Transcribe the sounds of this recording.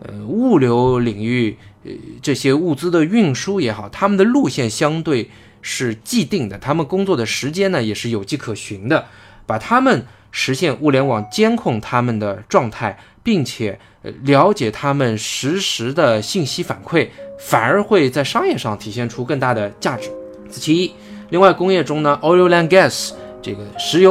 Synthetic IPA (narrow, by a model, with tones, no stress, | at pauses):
ə˧u˥˩ljo˧˥ʊli˨˩ŋy˥˩ | ʈ͡ʂɤ˥˩ɕjɛ˥u˥˩t͡sɹ̩˥d̪ə˨y˥˩nʂu˥jɛ˧˥xɑ˨˩˦ʊt̪ʰa˥mə˨nd̪ə˩lu˥˧ɕjɛ˥˩nɕjɑ˥ŋt̪we˥˩ɪ | ʂɻ̩˥˧t͡ɕi˥˧t̪i˥˩ŋd̪ə˩t̪ʰa˥mə˨nkʊ˥ŋt͡swɔ˥˩d̪ə˩ʂɻ̩˧˥t͡ɕjɛ˥nnə˨jɛ˨˩ʂɻ̩˥˩jo˨˩ʊt͡ɕi˥˩kʰɤ˨˩ɕi˧˥nd̪ə˧pa˨˩t̪ʰa˥mə˨n | ʂɻ̩˧˥ɕjɛ˥˧nʔu˥˩ljɛ˧˥nwɑ˨˩ŋt͡ɕjɛ˥nkʰʊ˥˩ŋt̪ʰa˥mə˨nd̪ə˩ʈ͡ʂwɑ˥˧ŋt̪ʰa˥˩ɪ | pi˥˩ŋt͡ɕʰjɛ˨˩˦ | ljɑ˧˥ʊt͡ɕjɛ˨˩t̪ʰa˥mə˨nʂɻ̩˧˥ʂɻ̩˧˥d̪ə˧ɕi˥˩nɕi˥fa̰˨˩nkʰwe˥˩ɪfa˨˩nə˞˧˥xwe˥˧ɪt͡sa˥˩ɪʂɑ˥ŋjɛ˥˧ʂɑ˥˩ŋt̪ʰi˨˩ɕjɛ˥˩nʈ͡ʂʰu˥kɤ˥˧ŋt̪a˥˩d̪ə˩t͡ɕja˥˩ʈ͡ʂɻ̩˨˧˥ | t͡sʰɹ̩˥˩t͡ɕʰi˧˥i˥ | li˥˧ŋwa˥˩ɪkʊ˥ŋjɛ˥˩ʈ͡ʂʊ˥ŋnə˨ʔo˥˧o˥ʊla˧˥nɡɛ˥˩sʈ͡ʂe˥˩ɡə˩ʂɻ̩˧˥jo˧˥